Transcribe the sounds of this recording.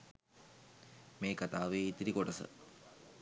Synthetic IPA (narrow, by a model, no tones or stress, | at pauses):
meːkat̪aːʋeːit̪iɾikoʈɐsə̰